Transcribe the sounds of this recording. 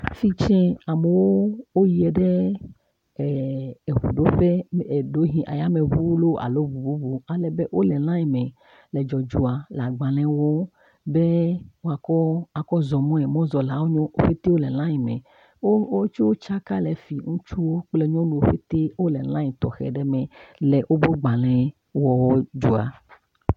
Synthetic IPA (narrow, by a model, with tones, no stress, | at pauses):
fi˦t͡ʃɛ̃˦a˨mɛ˨wo˦wo˦ji˨ɛ˨ɖɛ˦˨ | e˨βṵ˨ɖo˦ɸe˦˨ɖo˦ɦĩ˨ʔa̰˨ja˦me˨βu˦wlo˦a̰˨lo˦bu˨bu˦bu˦a˨lɛ˨be˦wʔo˦lɛ˨lã˦ji˨mɛ̃˨ | lɛ˨d͡ʒɔ˨d͡ʒu˦a˨la˨ɡ͡ba˨lɛ̃˦wo˦ | be˦wo˦a˨kɔ˦a˨kɔ˦zɔ˨mɔ̃˦ɛ˨mɔ̃˦zɔ˨la˨wo˦ɲɔ̃˦o˦ɸe˦t̪e˦wo˦lɛ˨l̃ã˦ji˨mɛ̰̃˨ | o˦o˦t͡ʃu˦wo˦t͡ʃa˦ka˦lɛ˨fi˨ŋũ˦t͡ʃu˦wo˦k͡plɛ˦ɲõ˦nũ˨o˦ɸe˦t̪e˦wo˦lɛ˨lã˦ɲi˨t̪ɔ̰˨xɛ̰˨ɖɛ˦mɛ̃˨lɛ˨ʔwʔo˦bo˦ɡ͡ba˨lɛ̃˦ | wɔ˦wɔ˦d͡ʒu˦a̰˨